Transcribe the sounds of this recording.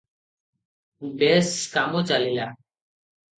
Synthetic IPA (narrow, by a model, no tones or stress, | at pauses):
beːskaːmoːt͡ʃalilaː